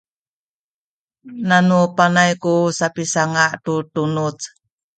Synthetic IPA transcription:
nanupanajkusapisaŋaʔtutunut͡s

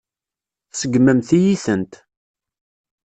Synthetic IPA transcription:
θsəɡməmθijiθənt̪

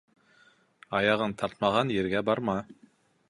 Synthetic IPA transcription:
ɑjɑʁɤnt̪ʰɑɾt̪̚mɑʁɑnjɘ̆ɾɡæbɑɾmɑ

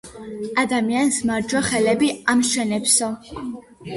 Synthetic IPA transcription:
ad̪amiansmaɾd͡ʒwɔχɛlɛbiamʃɛnɛpsɔ

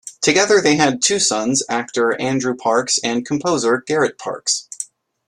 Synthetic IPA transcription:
tʰɨɡɛðə˞ðeɪɨd̚tʰʉsʌ̃nzæk̚tə˞æ̃ndɹʉpʰɑɹksɨ̃nkʰm̩pʰoʊzə˞ɡ̥ɛɹɨt̚pʰɑ̰ɹks

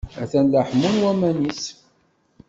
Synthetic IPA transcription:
æθænlaħmunwæmænis

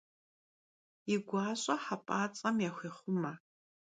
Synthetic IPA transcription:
iɡʷaːɕʼɐħapʼaːt͡sʼɐmjaːxʷeːχʷʊmɐ

